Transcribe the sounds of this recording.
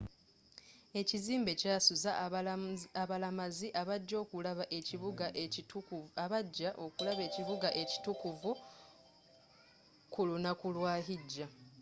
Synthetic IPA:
e̞ciziːmbe̞casuza | aβalamaziʔaβaɟːo̞ːkulaβaʔeciβuɡaʔ | aβaɟːaʔo̞kulaβe̞ːciβuɡaʔe̞ci̥tukuvu | kulunakulwaːɦiɟːa

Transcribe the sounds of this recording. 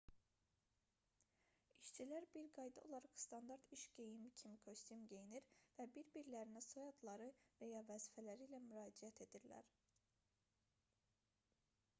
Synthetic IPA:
iʃt͡ʃʰilæɾbiɾɡɑjd̪ɑo̞̰lˠɑɾɑχst̪ɑnd̪ɑɾt̪iʃɟ̥ejimicʰimikʰøst̪ymɟe̞jiniɾvæbiɾbiɾlæɾinæsojɑd̪lˠɑɾɯvæjɑvæzifælæɾiːlæmyɾɑːd͡ʒiæt̪ʰe̞d̪iɾlæ̰ɾ

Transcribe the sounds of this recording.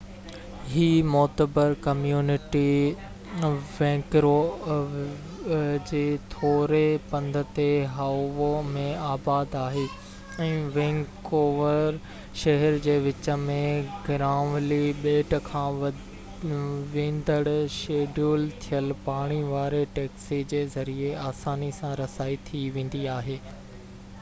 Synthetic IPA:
ɦiːmɔːt̪əbəɾkɐmjuːnɪʈi | ʋɛ̃ːkɾo | d͡ʑeːt̪ʰoːɾepɐ̃nd̪ʱə̆t̪eɦaʋomẽaːbaːd̪aːɦeː | ɛ̃ːʋɛ̃ːŋkoːʋəɾ | ʃɐɦɛɾd͡ʑeːʋɪt͡ɕə̆mẽɡɪɾaːʋliɓeːʈkʰãː | ʋẽːnd̪əɽʃeːɖuːlt̪ʰijəlpaːɽ̃iʋaːɾeʈɛːksid͡ʑeːzɐɾieaːsaːnisãɾɐsaːit̪ʰiʋẽːn̆d̪iaːɦeː

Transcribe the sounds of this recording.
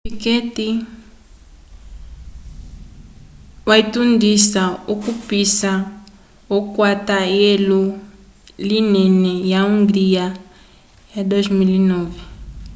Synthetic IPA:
piketi | waitundisaukupisa | okwatajelu | linɛnɛjauŋɡɾija | jadoʒmilinovɛ

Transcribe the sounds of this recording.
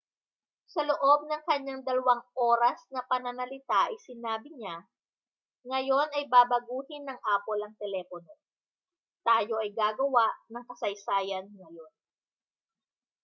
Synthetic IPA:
sɐloʔo̞b̚nɐŋkɐɲaŋd̪ɐlɐwaŋʔo̞ːɾɐsnɐpɐnɐnɐlɪt̪aʔɐjsɪnaːbɪɲa | ŋɐjo̞nɐjbaːbɐɡuːhɪnːɐŋʔaːpolɐŋt̪ɛlɛːpono̞ | t̪aːjo̞ʔɐjɡaːɡɐwaʔnɐŋkɐsɐjsaːjɐnŋɐjo̞n

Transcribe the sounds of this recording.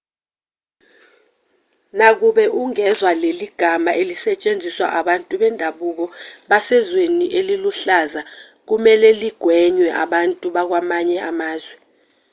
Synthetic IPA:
nak̬uɓɛʔuŋɛzwaleliɡ̥ʱamaʔelisɛt͡ʃʼend͡zʱiswa̰ʔaɓantʼuɓɛndʱaɓuk̬ɔɓasɛzweniʔeliluɬaza | k̬umɛlɛliɡ̥ʱwɛɲwɛʔa̰ɓantʼuɓak̬wamaɲɛʔamaːzwɛ

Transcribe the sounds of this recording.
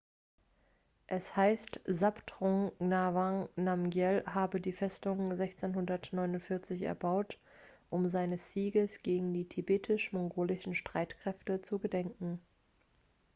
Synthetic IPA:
ʔɛshaɪstzaptʁɔŋnavãŋnamɡjɛlɦaːbədiːfɛstʊŋzɛçt͡senɦʊndɐtnɔʏnʊntfɪɐt͡sɪçɛ̰ɐbaʊt | ʔʊmzaɪnəsz̥iːɡəsɡ̥eːɡŋ̩diːtʰibeːtʰɪʃmɔŋɡoːlɪʃn̩ʃtʁ̥aɪtkʁ̥ɛftət͡suɡədɛŋkŋ̩

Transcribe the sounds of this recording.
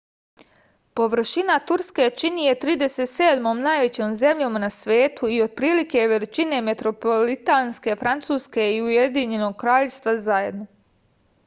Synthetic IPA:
po̞ʋr̩ʃinat̪uɾske̞t͡ʃinije̞t̪ɾiːd̪e̞set̪seːd̪mo̞ːmnaːjʋe̞t͡ɕoːmze̞mʎomanasʋeːt̪uio̞d̪̚pɾiːlike̞ʋelit͡ʃine̞me̞t̪ɾo̞polit̪anske̞fɾant̪suːske̞iuje̞d̪iɲe̞no̞ɡ̚kɾaːʎest̪ʋazaje̞d̪no

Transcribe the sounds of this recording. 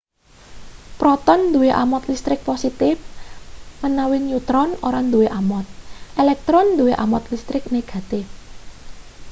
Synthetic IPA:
pɾɔt̪ɔnd̪uweʔa̰mɔt̪list̪ɾɪk̚posit̪ɪf | mənawɪnut̪ɾɔnoɾand̪uweʔamɔt̪̚ʔelɛk̚t̪ɾɔnd̪uweʔamɔt̪list̪ɾɪk̚neɡ̥a̤t̪ɪf

